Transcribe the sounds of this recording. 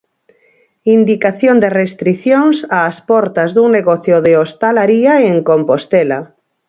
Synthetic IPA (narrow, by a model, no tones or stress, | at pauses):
ind̪ikaθjond̪erest̪ɾiθjoŋsaːspɔɾt̪azðuŋneɣɔθjoðeost̪alaɾiaeŋkompost̪ɛla